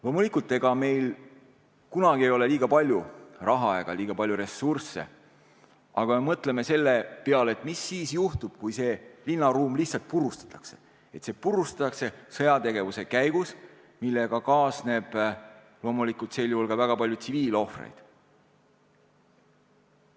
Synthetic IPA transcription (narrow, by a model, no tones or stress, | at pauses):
lo̞ːmulikˑult̪ːˑe̞ɡ̥ɑme̞jl | kunɑɡ̥ie̞jo̞le̞liːɡ̥ɑpɑlʲjurɑɦɑɑeɡ̥ɑliːɡ̥ɑpɑljuɾe̞sursːe̞̰ | ʔɑɡ̥ɑme̞mɤt̪ˑleme̞se̞lːe̞peɑleet̪ˑmisːiːsjuht̪ub̥̚kujse̞ːlinːɑɾuːmliçhtsɑlt̪̚purust̪ɑ̥t̪ˑɑ̥kse̞̥ | e̞t̪se̞ːpurust̪ɑ̥t̪ːˑɑkse̞sɤ̞jɑt̪e̞ɡe̞vuse̞kæjɡ̥us | milːe̞ɡ̥ɑkɑːsne̞b̥ | lo̞ːmulikult̪se̞ːljuhulɡɑvæɡ̥ɑpɑlʲjut̪siviːlo̞frḛjd̪̥